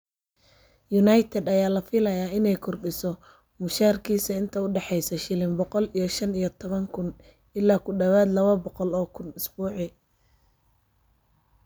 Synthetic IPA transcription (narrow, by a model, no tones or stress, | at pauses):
jʊnajt̪ʰɛd̪ɐjaːlɐfɪlɐjaːɪnɛjkʰʊrɖɪsɔ | mʊʃaːrkʰiːsɐɪnt̪ʰɐʊɖɛħɛjsɐʃɪlɪmbɔqɔlijɞʃɐnijɞt̪ʰɔβɐŋkʰʊn | ɪlːaːkʰʊɖɐwaːd̪lɐβɐbɔqɔlɔːkʰʊnɪsbuːʕɪ